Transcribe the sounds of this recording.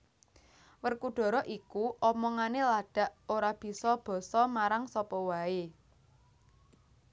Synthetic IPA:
wərkuɖ̥ɔ̤ɾɔʔikuʔɔmɔŋanelaɖ̥a̤ʔoɾab̥i̤sɔb̥ɔ̤sɔmaɾaŋsɔpɔwae

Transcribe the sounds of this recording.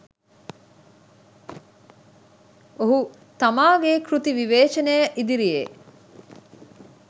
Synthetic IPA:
oɦu | t̪amaːɡekɾut̪iʋiʋeːt͡ʃɐnejəʔid̪iɾijḛ

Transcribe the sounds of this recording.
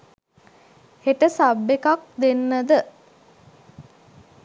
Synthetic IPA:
heʈəsabːekak̚d̪enːəd̪ə

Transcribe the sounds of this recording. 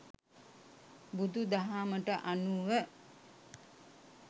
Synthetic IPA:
bud̪ud̪aɦaːməʈəʔanuʋə

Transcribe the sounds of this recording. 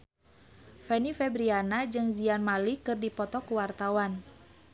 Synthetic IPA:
fɛnifɛbɾianad͡ʒɨŋzianmalikɨrdipɔt̪ɔkuwart̪awan

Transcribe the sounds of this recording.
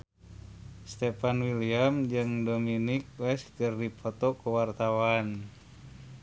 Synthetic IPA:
st̪ɛpanwiliamd͡ʒɨŋdominik̚wɛskɨrdipʰɔt̪ɔkuwart̪awan

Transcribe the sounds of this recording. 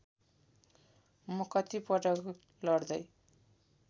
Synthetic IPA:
mʌkʌt̪ipʌʈʌk | lʌrd̪ʌj

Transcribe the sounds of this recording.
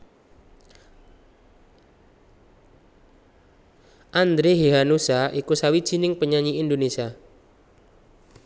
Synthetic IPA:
ʔand̪ɾeɦiɦanusaʔikusawid̥ʒ̥i̤nɪŋpəɲaɲiindonesia

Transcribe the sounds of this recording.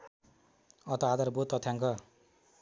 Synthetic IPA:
ʌt̪ʌad̪ʌrbot̪ːʌt̪ʰjaŋkʌ

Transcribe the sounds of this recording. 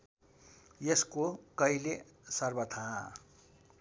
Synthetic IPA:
jeskokʌilesʌrbʌt̪ʰaɦã̰

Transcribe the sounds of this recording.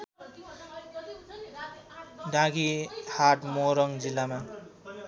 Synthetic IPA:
ɖãɡihaʈmoɾʌŋd͡zilːama

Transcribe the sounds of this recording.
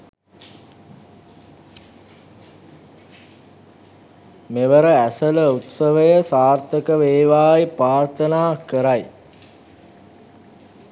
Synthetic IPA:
meʋəɾəæsələut̪səʋəjəsaːrt̪əkəʋeːʋaːipraːrt̪ənaːkəɾaj

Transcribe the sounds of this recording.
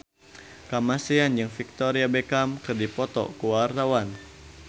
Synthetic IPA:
kamasiand͡ʒɨŋfik̚t̪ɔɾiabɛkamkɨrdipɔt̪ɔ̰kuwart̪awan

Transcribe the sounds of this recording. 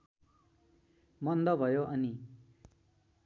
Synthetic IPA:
mʌnd̪ʌbʱʌjoʔʌni

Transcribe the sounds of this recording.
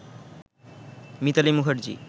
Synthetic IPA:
mit̪alimuɦʰaɾd͡ʑḭ

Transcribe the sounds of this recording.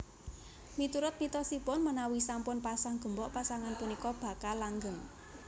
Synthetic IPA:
mit̪uɾʊt̪̚mit̪ɔsipʊnmənawisampʊnpasaŋɡ̥ə̤mbɔʔpasaŋanpunikɔb̥a̤kalaŋɡəŋ

